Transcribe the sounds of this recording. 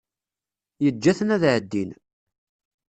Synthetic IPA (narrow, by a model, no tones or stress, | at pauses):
jəd͡ʒːæθənæðʕəd̪ːin